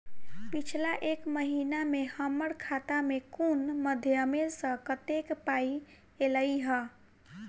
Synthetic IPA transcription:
pit͡ʃʰlaʔekməɦinamehəməɽkʰat̪amekunməd̪ʱjəmesə̃kət̪ekpai | eləiɦə

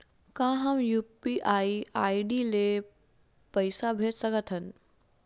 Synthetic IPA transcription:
kãɦəmjupiʔaiaiɖile | pəɪsabʱeʈsəkət̪ʰɦən

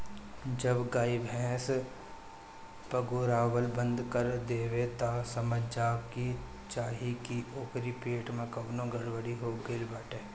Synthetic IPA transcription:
d͡ʒəbɡaːibʱɛ̃ːs | pəɡuːɾaːʋəlbə̃nd̪kəɾd̪eːʋet̪asəməd͡ʒd͡ʒaːki | t͡ʃaːɦikiʔoːkɾipeːʈmẽkɐʋnõɡʱɐɽʋəɽiɦoɡelbaːʈeː

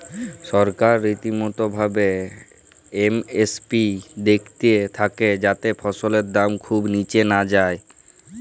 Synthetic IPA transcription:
ʃɔɾkaɾːit̪imot̪obʱabe | emespid̪ekʰt̪iet̪ʰaked͡ʑat̪efʰɔʃoleɾd̪amkʰubnit͡ɕenad͡ʑae

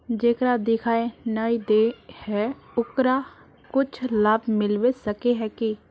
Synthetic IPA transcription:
d͡ʒeːkɾaːd̪ɪkʰaːenaːid̪eːhɛː | ʊkɾaː | kʊt͡ʃʰləbmɪlʋeːsəkeːɦɛːki

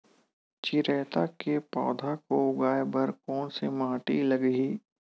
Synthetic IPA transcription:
t͡ʃɪɾɛːt̪akepɔ̰ːd̪ʱakoʊɡaːebɐɾkɔːnsemãːʈilɐɡɦiː

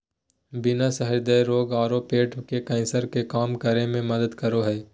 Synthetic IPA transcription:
bɪnasɐɦəɾd̪əjɾoːɡaːɾopeːʈkekɛ̃ːnsəɾkekaːmkəɾemẽmɐd̪əd̪kɐɾoɦɛː

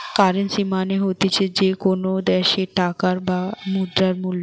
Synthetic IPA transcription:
kaɾensimaneɦot̪et͡ɕʰed͡ʑekonod̪ɛʃeʈakaɾbamud̪ɾaɾmulːo

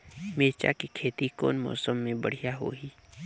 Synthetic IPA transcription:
meːt͡ʃa̰kikʰeːt̪iko̰ːnmɔ̰ːsəmːẽbəɽ̤ijaɦo̰ːɦiː

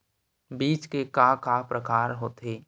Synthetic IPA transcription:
biːt͡ʃkekakapɾəkaːɾɦoːt̪eː

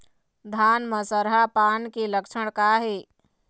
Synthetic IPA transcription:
d̪ʱaːnməsəɾɦapaːnkiləkʃʰəɽ̃kaɦeː

